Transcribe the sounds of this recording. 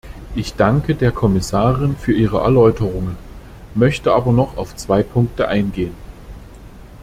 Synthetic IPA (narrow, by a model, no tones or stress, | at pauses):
ʔɪçd̥aŋkədeːɐkʰɔmɪsaːʁɪnfyːɐʔiːʁ̞əʔɛ̰ɐlɔʏtəʁ̞ʊŋən | mœçtəʔaːbɐnɔχaʊft͡sv̥aɪpʰʊŋk̚təʔaɪnɡeːən